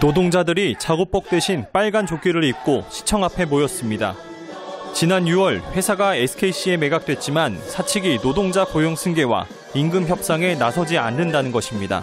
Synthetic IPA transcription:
nodoŋd͡ʑadɯɾit͡ɕaɡop͈ʌk̚t͈we̞ɕʰinp͈aɭɡant͡ɕoɡiɾɯɾik̚k͈oɕʰi̥t͡ɕʰʌŋapʰe̞mojʌs͈ɯmɲida̰ | t͡ɕinanjuʌɭɸwe̞sʰaɡaesʰɯ̥kʰeiɕ͈ʰie̞me̞ɡak̚t͈we̞t̚t͡ɕ͈imansʰat͡ɕʰiɡinodoŋd͡ʑakojoŋsʰɯnɡe̞wa̰ | inɡɯmçjʌp̚s͈aŋe̞nasʰʌd͡ʑianːɯndanɯnɡʌɕʰimɲida̰

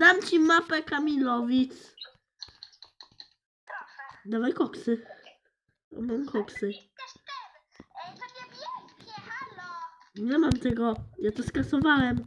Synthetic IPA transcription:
d̪amt͡ɕimapɛkamʲilɔvʲit̪s | d̪avajkɔksɨ | ɔ̰mamkʰɔksɘ | ɲɛmamt̪ɛɡɔjat̪ɔskasɔvawɛm

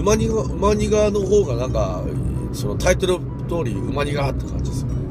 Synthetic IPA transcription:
ɯmaɲʲiaɯmaɲ̟iɡano̞ɦo̞ːɡanãŋka̰ | so̞not̪ʰait̪o̞ɾɯ̟ | t̪o̞ːɾʲiɯ̟maɲ̟iɡat̪ːekã̰ɲ̟d͡ʑid̪es

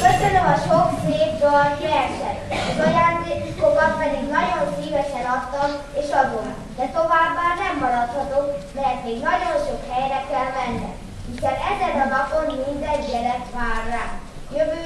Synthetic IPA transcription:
køsønømɒʃokseːvɡɒlkiɛʃɛ̰t̪ɒzɒjaːnd̪eːkkokɒmpɛd̪iɡnɒɟo̞nsiːvɛʃɛnɒt̪ːɒm | eːʃɒd̪onɒ̰kd̪ɛt̪o̞vaːbːaːrnɛmːɒɾɒt̪hɒt̪okmɛrt̪meːɡnɒɟonʃo̞khɛjɾɛkɛlvɛnːɛ̰m | mikɛɾɛzɛnɒlɒponmind̪ɛɲɟɛlɛt̪ʋaːrːaː | jøvøː

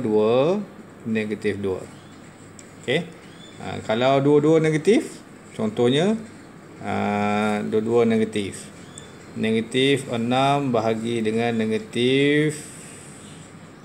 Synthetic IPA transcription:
duə | neɡat̪ifduə̰ | oke | ə̰kalawduəduəneɡat̪if | t͡ʃɔnt̪ɔhɲa | əduəduəneɡat̪if | neɡat̪ifənambaɦaɡidəŋanːeɡat̪if

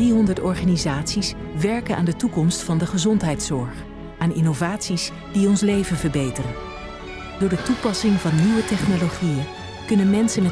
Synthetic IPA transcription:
iɦɔndəɹtɔɹχaːnizaːtsis | ʋɛɹkənʔa̰ːndətukɔmstfɑndəχəzɔntɦɛjtsɔɹχ | ʔaːnɪnovaːtsis | d̥iɔnslejvənvəɹbejtərən | d̥ʊːɹdətupɑsɪŋvɑnːiʋətɛχnoloχijən | kɵnənmɛnsənmɛ

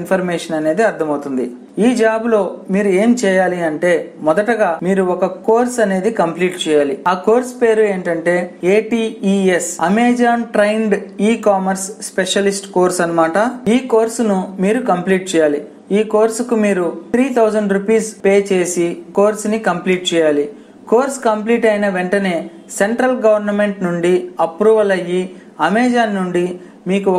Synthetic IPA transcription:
npʰɐɾmɛːʂɐnɐne̞ːd̪iɐɾt̪ʰɐmɐwt̪und̪ḭ | iːd͡ʒaːblo̞ːmiːɾue̞ːmt͡ʃɛːjaːliɐɳʈe̞ːmɔd̪ɐʈɐɡaːmiːɾuɔkɐko̞ːɾsɐne̞ːd̪ikɐmpliːʈt͡ʃɛːjaːliaːko̞ːɾspe̞ːɾue̞ːɳʈɐɳʈe̞ːeːʈiːiːesɐ̰meːd͡ʒaːnʈɾɐjɳɖiːkaːmɐɾsːpeʂɐlisʈko̞ːɾsɐnɐmaːʈɐiːko̞ːɾsunumiːɾukɐmpliːʈ̚t͡ʃɛːjaːli | iːko̞ːɾskumiːɾut̪ʰɾiːt̪ʰɐwd͡ʒɐɳɖɾupiːspe̞ːt͡ʃe̞ːsiko̞ːɾsnikɐmpliːʈ̚t͡ʃɛːjaːli | ko̞ːɾskɐmpliːʈɐjnɐʋeɳʈɐne̞ː | se̞ɳʈɾɐlɡɐʋɐɾnɐme̞ɳʈnuɳɖiɐpɾuːʋɐlɐji | ɐmeːd͡ʒaːnːuɳɖi | miːku

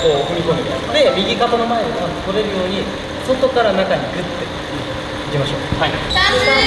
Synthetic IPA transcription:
koːɸɯ̟mʲikonɾed̪e̞mʲiɡʲikat̪ano̞maeiaai̥t̪o̞ɾeɾɯ̟jo̞ːɲ̟i | so̞t̪o̞kaɾanakaɲ̟ikɯ̟t̪ːe | d͡ʑimaɕo̞̰ːaoea

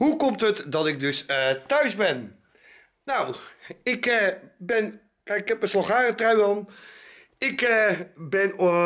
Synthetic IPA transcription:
ɦukɔmtətdɑtɪɡ̚dɵstœɥzbɛn | nɔwɪkbɛn | ɪkɛp̚əslɑχaːrətrawɑn | ɪkbɛn

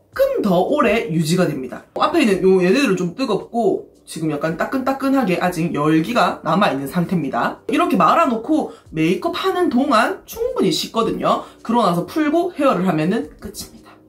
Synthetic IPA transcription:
kʰɯntʌʔoɾe̞jud͡ʑiɡadwe̞mɲida̰ʔapʰeinɯnjojeneɾɯɭt͡ɕomt͈ɯɡʌp̚k͈o | t͡ɕiɡɯmjak͈ant͈ak͈ɯnt͈ak͈ɯnɦaɡe̞ʔad͡ʑiŋjʌɭɡiɡanamainːɯnsʰaŋtʰe̞mɲidaiɾʌkʰe̞maɾanokʰome̞ikʰɯp̚hanɯntoŋant͡ɕʰuŋbuɲiɕʰik̚k͈ʌdɯɲokɯɾʌnasʰʌpʰuɭɡohe̞ʌɾɯɭɦamjʌnɯnk͈ɯt͡ɕʰi̥mɲid̥ḁ

